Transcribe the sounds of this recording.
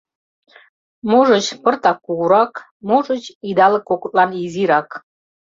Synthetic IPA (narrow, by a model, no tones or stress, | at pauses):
moʒə̆t͡ɕpə̆rt̪ɑkːuɣuɾɑk | moʒə̆t͡ɕid̪ɑlɤ̆kːokut̪ʼlˠɑniziɾɑk